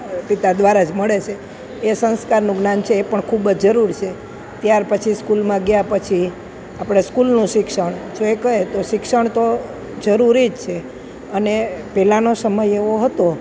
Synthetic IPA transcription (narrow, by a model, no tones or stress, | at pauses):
pit̪ad̪ʋaɾad͡ʒməɭet͡ʃʰe | esə̃nskaɾnũɡnant͡ʃʰeːpəɳkʰubd͡ʒd͡ʒəɾuɾt͡ʃʰe | t̪jaɾpət͡ʃʰiskulmãɡjapət͡ʃʰi | apɽ̃eskulnũʃɪkʃəɳd͡ʒoekəɦet̪oʃɪkʃəɳt̪o | d͡ʒəɾuɾid͡ʒt͡ʃʰe | ənepɛlanosəməjeʋoɦət̪o